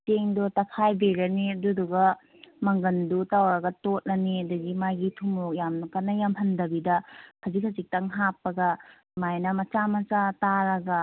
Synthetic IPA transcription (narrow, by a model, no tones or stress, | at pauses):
teŋdotɐpʰajbeɾɐniduduɡɐ | mɐŋɡɐndutawɾɐɡɐtot̚nɐniɐdɐɡimajɡitʰumɾok̚jamnɐkanɐjamɦɐndɐbidɐhʰɐzikʰɐzik̚tɐŋɦapːɐɡɐ | majnɐmɐt͡ʃamɐt͡ʃataɾɐɡɐ